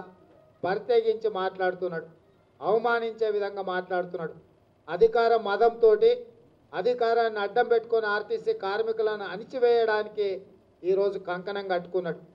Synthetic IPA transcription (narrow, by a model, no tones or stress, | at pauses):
pɐɾit̪eːɡiɲt͡ʃimaːʈlaːɽut̪unːaːɽ | ɐʋɐmaːniɲt͡ʃe̞ːʋid̪ʱɐŋɡaːmaːʈlaːɽut̪unːaːɽu | ɐd̪ʱikaːɾɐmːɐd̪ɐmt̪o̞ːʈi | ɐd̪ʱikaːɾaːnːiɐɖːɐmpe̞ʈːu̥koniaːɾt̪isikaːɾmikulɐnːuɐnit͡ʃiʋɛːjɐɽaːniki | iːɾo̞ːd͡ʒukɐŋkɐɳɐŋɡɐʈːu̥kunːaːɽu